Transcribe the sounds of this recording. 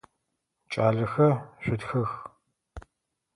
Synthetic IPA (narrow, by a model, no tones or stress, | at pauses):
t͡ʃʼaːɮɐxɐɕʷʊtxɐx